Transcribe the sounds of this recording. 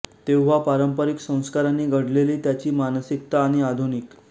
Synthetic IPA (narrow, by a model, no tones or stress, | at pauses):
t̪ewʋapaɾəmpəɾiksə̃w̃skaɾanːiːɡʱəɽ̤leliːt̪jat͡ɕiːmanəsik̚t̪aːɽ̃iad̪ʱunik